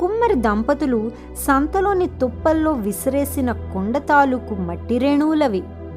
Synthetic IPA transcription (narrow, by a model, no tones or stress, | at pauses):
kumːɐɾid̪ɐmpɐt̪ulu | sɐnt̪ɐlo̞ːnit̪ɔpːɐlːo̞ːʋisɐɾe̞ːsinɐkoɳɖɐt̪aːlukumɐʈːiɾeɳuːlɐʋi